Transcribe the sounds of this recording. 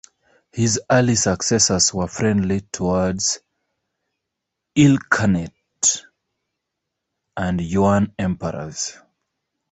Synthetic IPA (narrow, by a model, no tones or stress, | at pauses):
hizɜ˞lisəksɛsəzwə˞fɹɛ̃ndlitʰɔwɔdz̥ | ilkʰənɛt | ʔə̃njuə̃nɛ̃mpəɹə̰z̥